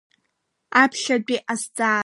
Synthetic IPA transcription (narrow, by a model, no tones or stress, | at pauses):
apʰʃadʷiʔasd͡zʼaː